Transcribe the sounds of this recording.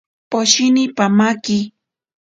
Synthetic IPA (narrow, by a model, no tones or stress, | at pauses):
poʃinipamaki